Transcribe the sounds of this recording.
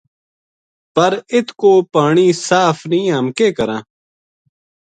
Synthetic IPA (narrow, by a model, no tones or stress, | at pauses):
pəɾɪt̪ʰkoːpaːɳiːsaːfnĩːɦəmkeːkəɾãː